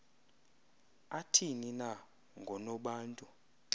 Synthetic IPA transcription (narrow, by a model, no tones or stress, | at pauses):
atʰinina | ŋɡʱɔnɔɓaːntʼu